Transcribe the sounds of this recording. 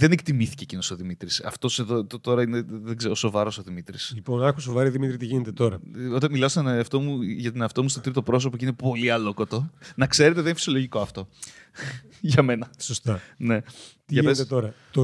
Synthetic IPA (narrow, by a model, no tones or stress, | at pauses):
ðe̞nekt̪imiθi̥ceːcinoso̞ðimit̪ɾisɐ̰ft̪o̞se̞ðot̪t̪o̞ɾɐine̞ðeɡzeɾo̞so̞vɐɾo̞soðimit̪ɾisliponɐxus̬ovɐɾioðimit̪ɾit̪iʝinet̪et̪o̞ɾɐot̪ɐnmilɐosɐnɐft̪o̞muʝɐt̪inɐft̪o̞must̪ot̪ɾit̪o̞pɾo̞s̬o̞pocine̞po̞liɐloko̞t̪o̞nɐkse̞ɾe̞t̪eðeninfi̥sioloʝiko̞ɐft̪o̞ | ʝɐme̞nɐsost̪ɐne̞t̪iʝɐpeet̪et̪o̞ɾɐt̪o